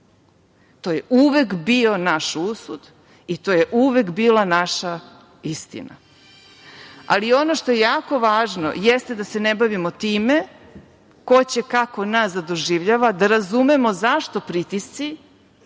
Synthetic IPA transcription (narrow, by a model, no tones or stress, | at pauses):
t̪o̞ːje̞ʔuʋekbio̞naʃusud̪ | it̪oːjeʔuʋe̞kbiːlˠanaʃa | ist̪ḭna̰ | a̰lio̞no̞ʃt̪o̞jejaːko̞ʋaːʒno̰jest̪e̞d̪ase̞nebaʋimot̪iːme | ko̞t͡ɕekako̞nasd̪ad̪o̞ʒiʋʎaʋad̪aɾazumemo̞zaʃt̪o̞pɾit̪ist̪si